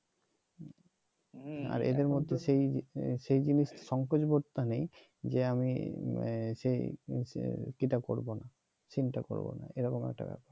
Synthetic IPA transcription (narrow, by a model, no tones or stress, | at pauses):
a̰ɾḛd̪eɾmod̪ʱːeʃejʃejd͡ʑiniʃʃɔŋkod͡ʑboɾt̪anej | d͡ʑeamḭ | ʃej | kiʈakoɾbona | sinʈako̰ɾbo̰na̰eɾɔkomɛ̰k̚ʈa̰bɛ̰paɾ